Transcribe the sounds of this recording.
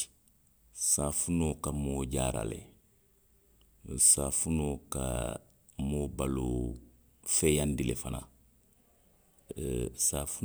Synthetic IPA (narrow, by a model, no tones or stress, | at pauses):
saːfunokamoːɟaːɾa̰lḛ | saːfunoːka̰ | mobaloː | feːjandilefana̰ | safu